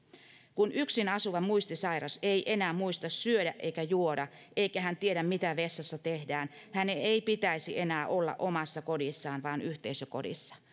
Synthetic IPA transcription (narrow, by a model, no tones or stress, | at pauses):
kunʔyksinɑsuʋɑmuist̪isɑiɾɑseiʔe̞næːmuist̪ɑssyødæʔe̞ikæjuodɑ | ʔeikæhænt̪ieɾæmmit̪æʋesːɑsːɑt̪ehdæːnhæneeipit̪æisiʔe̞næːʔolːɑ̰ʔomɑsːɑkodisːɑːnʋɑːnyht̪eisøko̰dḭsːɑ̥